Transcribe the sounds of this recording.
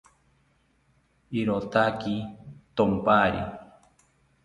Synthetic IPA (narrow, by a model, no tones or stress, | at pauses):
iɾot̪akit̪ompaɾḭ